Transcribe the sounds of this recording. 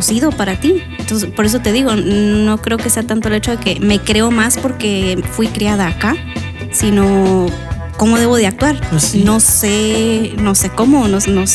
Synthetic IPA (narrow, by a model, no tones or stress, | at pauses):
siðo̞paɾat̪ient̪onsespo̞ɾe̞s̬o̞t̪e̞ðiɣ̞o̞no̞kɾe̞o̞ke̞se̞at̪ant̪o̞elet͡ʃo̞ðe̞ke̞me̞kɾe̞o̞maspo̞ɾke̞fwikɾiaðaːka | sino̞ | ko̞mo̞ðe̞βo̞ð̞eak̚t̪waɾno̞seno̞se̞ko̞mo̞nosnos